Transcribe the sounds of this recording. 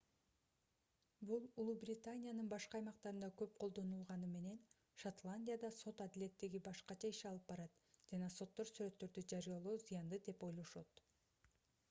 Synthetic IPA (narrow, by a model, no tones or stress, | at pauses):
bulˠulˠubrʲɪt̪anʲijanɯnbɑʃqɑɑjmɑqt̪ɑɾɯnd̪ɑkø̞p̚qʰo̞lˠd̪o̞nulˠʁɑnɯme̞ne̞n | ʃat̪lˠanʲdʲijad̪ɑso̞t̪ɑd̪ile̞t̪ːeɡibɑʃqɑt͡ʃɑiʃɑlˠɯpbɑɾɑt̪ | d͡ʒɑnɑso̞t̪ːo̞ɾsyɾø̞t̪ːø̞ɾd̪yd͡ʒɑɾijalˠoːzijɑnd̪ɯd̪e̞po̞jlˠo̞ʃo̞t̪